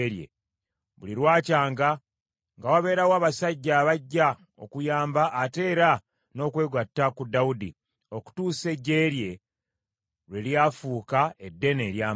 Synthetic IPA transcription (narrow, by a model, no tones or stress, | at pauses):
ɾjḛ | βuliɾwaːcaːŋɡa | ŋɡawaβe̞ːɾawaːβasaɟːaːβaɟːa | o̞̰kujaːmbaʔːte̞ːɾa | no̞ːkwe̞ːɡwatːakudːawudḭ | o̞ku̥tuːse̞ɟːe̞ːɾje̞ | ɾweljafuːkae̞dːe̞neːɾjaː